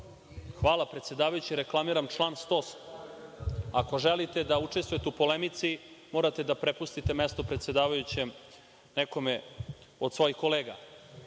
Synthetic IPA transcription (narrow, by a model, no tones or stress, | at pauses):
xʋaːlˠapɾet̪sjed̪aːʋajut͡ɕiɾeklˠamiɾamt͡ʃlˠaːnst̪o̞ːs | ako̞ʒelit̪e̞d̪aut͡ʂest̪ʋojet̪eupo̞lemit̪simo̞ːɾat̪ed̪apɾepust̪it̪e̞mest̪o̞pɾe̞t̪sje̞d̪aːʋajut͡ɕem | neko̞me | o̞d̪sʋo̞jixko̞leːɡa̰